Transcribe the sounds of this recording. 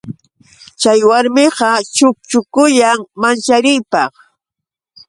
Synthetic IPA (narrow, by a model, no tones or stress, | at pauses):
t͡ʃajwaɾmɪqɑt͡ʃʊk̚t͡ʃʊkʊjaŋmant͡ʃaɾɪjpɑχ